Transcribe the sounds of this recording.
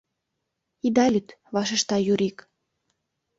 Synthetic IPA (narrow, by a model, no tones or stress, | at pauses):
id̪ɑlʲyt̪βɑʃ̬ĕʃt̪ɑjuɾik